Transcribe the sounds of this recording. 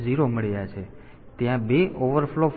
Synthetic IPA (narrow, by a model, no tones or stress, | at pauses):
d͡ʒiɾoməɭjat͡ʃʰe | t̪jãbeʔoʋəɾflo